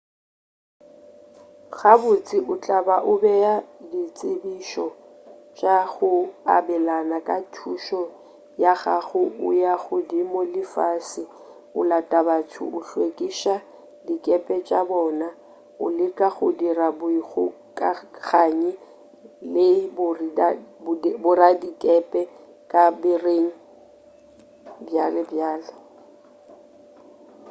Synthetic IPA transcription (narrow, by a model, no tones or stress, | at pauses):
ɣabʊt͡sʼɪʔʊt͡ɬʼabaʔʊbɛjadit͡sʼɪbiʃɔ | t͡ʃʼaɣʊabɛlanakʼatʰuʃɔ | jaɣaɣʊʊjaɣʊdimolɪfasɪ | ʊ̰latʼabatʰʊ̰ʊɬwekʼiʃa | dikʼɛpʼɛt͡ʃʼabɔːna | ʊlɪkʼaɣʊdirabʊiɣʊ | kʼaɣaːɲɪ | lɪbʊrabʊɾadikʼɛpʼɛ | kʼabɪreŋ̩ | bjalɪbjaːlɛ